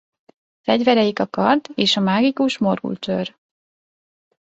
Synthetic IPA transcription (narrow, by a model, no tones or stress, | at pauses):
fɛɟvɛɾɛjikɒkɒrd̪eːʃɒmaːɡikuʃmo̞rɡṵlt͡ʃøːr